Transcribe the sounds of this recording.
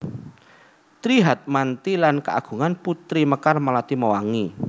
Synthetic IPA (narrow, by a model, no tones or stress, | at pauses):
t̪ɾiɦat̪̚mant̪ilankəʔa̰ɡ̥ṳŋanput̪ɾiməkarmalat̪iməwaŋi